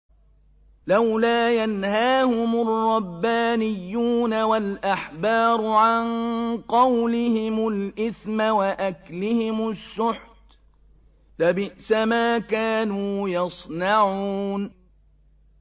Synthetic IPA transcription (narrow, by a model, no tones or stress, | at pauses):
lawlaːjanhaːhʊmʊrˤːɑbːaːnɪjːuːnawalʔaħbɑːɾˤʊʕanqɑwlɪhɪmʊlʔɪθmawaʔaklɪhɪmʊsːʊħt̪ | labɪʔsamaːkaːnuːjɑsˤnɑʕuuːn